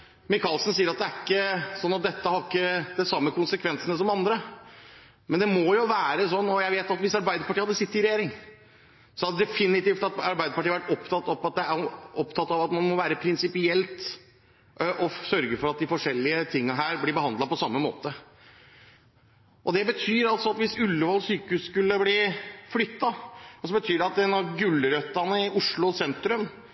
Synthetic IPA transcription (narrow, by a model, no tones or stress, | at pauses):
mɪkʰɑlsn̩siːəɾɑt̪̚d̪ɛæɪkːəsɔnːɑt̪̚d̪ɛt̪ːəhɑɾɪkːəd̪ɛsɑmːəkʰʊnsəkʰʋɛnsənəsɔmɑnd̪ɾə | mɛnd̪ɛmɔjʊʋæːɾəsɔnːɔjæɪʋeːt̪ɑt̪ʋɪsɑɾbæɪd̪əɾpɑʈiːhɑd̪ːəsɪt̪ːəɾɪɾɛjeːɾɪŋ | sɔhɑd̪ɛd̪ɛfɪnɪt̪iːft̪ɑt̪ɑɾbæɪd̪əpɑʈiːəʋæʈɔpt̪ʰɑt̪ːɔpɑt̪̚d̪ɛæɔpt̪ʰɑt̪ːɑʋɑt̪mɑnmɔʋæːɾəpʰɾɪnsɪpɪɛlt̪ | ʔʔɔsœɾɡəfɔɾɑt̪̚d̪ɪfɔʂɛlːɪət̪ʰɪŋːəɦæːɾblɪɾbəhɑnd̪lɑpɔsɑmːəmo̰ːt̪ə | ʔɔd̪ɛbət̪ʰyːɾɑlsɔɑt̪ʋɪsʉlːəʋɑlsyːkəhʉːsskʉlːəblɪflʏt̪ːɑɔsɔbət̪ʰyːɖɛɑt̪ɛnɑʋɡʉlːəɾœt̪ːɑnəɪʔʊʂɭʊɔsɛnt̪ɾʉm